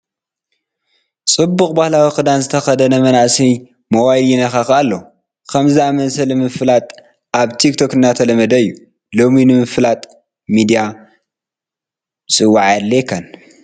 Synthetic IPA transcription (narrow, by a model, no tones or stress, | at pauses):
t͡sʼɨbːuxʼbahlawixɨd̪anzɨt̪ʰɐxɐd̪ɐnɐmɐnaʔsi | mɐwajljinɐxaxalːɐ | kʰɐmzɨamɐnsɐlmɨflat̪ʼ | ʔaβt̪ʰikt̪ʰo̞kɨnːat̪ʰɐlɐmɐd̪ɐɨjːu | lo̞minɨmɨflat̪ʼ | mid̪ija | sʼɨwːaʕalːekʰɐn